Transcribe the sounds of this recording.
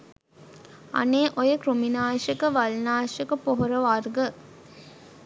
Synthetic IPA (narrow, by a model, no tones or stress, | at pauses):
a̰neːʔojəkruminaːʂekəʋalnaːʃekəpoɦoɾəʋarɡə